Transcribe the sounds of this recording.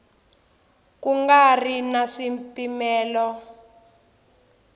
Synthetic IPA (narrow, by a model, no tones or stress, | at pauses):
kuŋɡarinaʂimpimɛːlɔ